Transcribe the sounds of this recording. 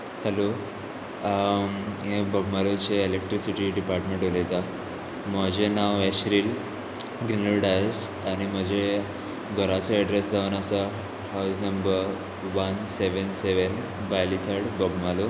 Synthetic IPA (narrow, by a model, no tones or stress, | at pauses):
helo | ebəɡmalut͡seːlek̚ʈɾisiʈiɖipaɾʈmẽɳʈolet̪a | məd͡ʑenaweɕɾiːl | ɡɾinəɭɽas | aɽ̃im̤əd͡ʑe | ɡʱəɾat͡səəɖɾesd͡zʱaʋənəsa | hawsnəmbəɾ | ʋənseʋənseʋən | bajlit̪ʰəɽbəɡmalu